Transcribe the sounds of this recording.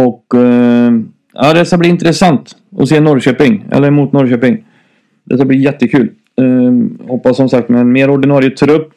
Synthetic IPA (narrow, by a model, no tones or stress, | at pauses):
ɔkː | a̰ːd̪ɛt̪skːabliɪnt̪ɾɛsant̪ | ɔ̰seːnɔɾɕøːpɪŋɛ̰lːəɾmuːt̪nɔɾɕøːpɪŋ | d̪ɛ̰t̪ːabliːjɛt̪ːəkʰʉ̟ːl | hɔpːasːɔmsak̚t̪mɛɛnmeːɾɔɖɪnɑːɾjət̪ʰɾɵpː